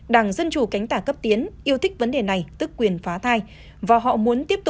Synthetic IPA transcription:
ɗaː˧˩ŋzə˧nt͡ɕu˨˧˩ka˨˦jŋ̟t̪aː˧˩kə˦˥p̚t̪i˨˦ənʔi˧əwt̪ʰï˦˥k̟̚və˨˦nɗe˨˩na˨˩jt̪ɨ˦˥kːwi˨˩ənfaː˨˦t̪ʰaː˧j | vaː˨˩ɦɔ̰˧˨mu˨˦ənt̪i˦˥əp̚t̪ʊ˨˩

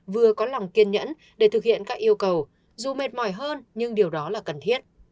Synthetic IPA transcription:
vɨ˨˩əkɔ˨˦la˨˩wŋ͡mki˧ənɲə̰˧˥n | ɗe˧˩t̪ɨ˨˩k̚hḭ˧˨ənkaː˦˥k̚ʔi˧əwkə˨˩w | zu˨˩me˨˩t̚mɔ˧˩jɦəː˧nɲɨ˧ŋɗi˨˩əwɗɔ˨˦laː˨˩kə˨˩nt̪ʰi˦˥ət̚

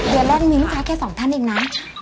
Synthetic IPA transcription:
dɯ˨˩əlɛː˧˥˩nmi˨˦˥nkʰa˧˦˥kʰɛː˥˩sɔː˩˦ŋt̪ʰa˥˩nʔiː˧ŋnaː˦˥m

